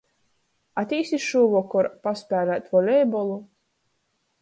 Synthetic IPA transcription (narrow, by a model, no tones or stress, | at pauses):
at̪ʲiːst̪isʃuːvɔkɔɾpaspʲæːɾæt̪vɔlʲɛjbɔlˠu